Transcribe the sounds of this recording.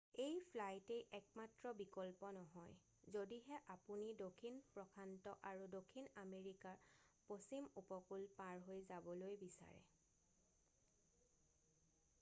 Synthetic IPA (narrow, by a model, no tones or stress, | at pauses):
ejpʰlajtejʔɛk̚matɹɔbikɔlpɔnɔɦɔj | zodiɦɛʔapunidokʰinpɹɔkʰantɔʔaɹudokʰinameɹikaɹposimupɔkulpaɹɦojzabɔlojbisa̰ɹɛ̰